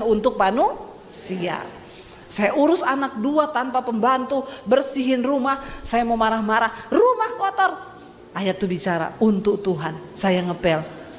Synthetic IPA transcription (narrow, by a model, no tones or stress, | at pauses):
nunt̪ʊk̚panu | sia̰ | sajaʔuɾʊsanak̚duat̪anpapəmbant̪ubərsiɦɪnrumahsajamomaɾahmaɾahrumahkɔt̪ɔr | ajat̪ubit͡ʃaɾa̰unt̪ʊk̚t̪uɦansajaŋəpɛl